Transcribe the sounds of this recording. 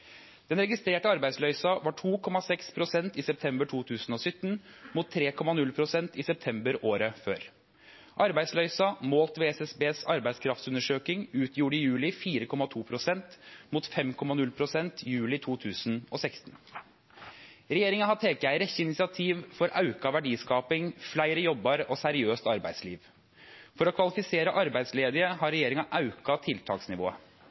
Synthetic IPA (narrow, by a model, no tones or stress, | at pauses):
d̪̥ɛnɾɛɡɪst̪ɾeːʈəɑɾbæɪd̪slœʏsɑʋɑʈʰuːkʰɔmɑsɛkspʰɾʊsɛnt̪iːsɛp̚t̪ʰɛmbəʈʰuːt̪ʰʉːsn̩ɔːsʏt̪ːn̩muːt̪ʰːɾeːkʰɔmɑnʉlpʰɾʊsɛnt̪ɪːsɛp̚t̪ʰɛmbəɾʔoːɾəføːɾ | ʔɑɾbæɪd̪slœʏsɑmoːlt̪ʋɛɛsɛsbeːsɑɾbæɪd̪skʰɾɑft̪sʉnəʂøːkɪŋʉːt̪ʰjuːɖəɪjʉːlɪfiːɾəkʰɔmɑt̪ʰuːpʰɾʊsɛnt̪muːt̪fɛmkʰɔmːɑnʉlpʰɾʊsɛnt̪jʉːlɪt̪ʰuːt̪ʰʉːsnɔsɛkst̪ən | ɾɛjeːɾɪŋɑhɑt̪ʰeːkæɪɾɛçəɪnɪsɪɑt̪ʰiːʋfɔɾɑʉkɑʋæɖiːskɑːpɪŋflæɪɾəjɔbːɑɾəʔosæɾɪøːst̪ɑɾbæ̰ɪd̪slḭːʋ | fɔɾɔkʰʋɑlɪfɪseːɾəʔɑɾbæɪsleːd̪əɾəhɑɾɛjeːɾɪŋɑʔɑʉkɑt̪ʰɪlt̪ʰɑ̰ːksnɪʋo̰ːə